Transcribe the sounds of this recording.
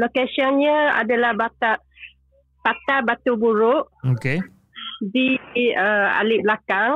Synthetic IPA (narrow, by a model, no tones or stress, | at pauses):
lokesiɔnɲəa̰dalahbat̪a | pat̪abat̪ubuɾʊʔoke | diəa̰lɪblakaŋ